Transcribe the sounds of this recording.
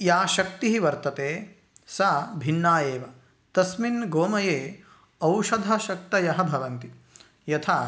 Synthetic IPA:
jaːʃɐk̚t̪iɦiʋɐɾt̪ɐt̪eː | saːbʱiɳːaːjeːʋɐ | t̪ɐsminɡoːmɐjeː | ɐwʃɐd̪ʱɐʃɐk̚t̪ɐjɐɦɐbʱɐʋɐnt̪i | jɐt̪ʰaː

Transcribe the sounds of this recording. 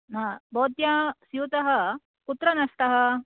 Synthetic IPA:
ɦãːboːt̪jasjuːt̪ɐɦɐ̆ | kut̪ɾɐnɐʂʈɐɦɐ̆

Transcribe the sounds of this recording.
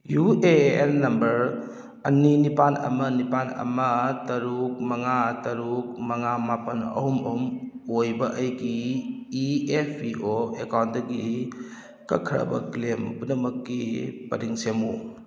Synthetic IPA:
jueelːɐmbɐɾ | ɐninipanɐ̰mɐnipanɐ̰mɐtɐɾuk̚mɐŋatɐɾuk̚mɐŋamapɐnɐ̰humɐhumojbɐʔɐjɡiː | epʰiʔoekawndɐɡi | kɐkʰːɾɐ̰bɐ̰ɡlembunɐmɐkːipɐɾiŋsemu

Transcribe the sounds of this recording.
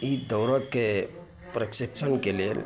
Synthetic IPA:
id̪əʊɾəkːe | pɾəkʃikt͡ʃʰənkelel

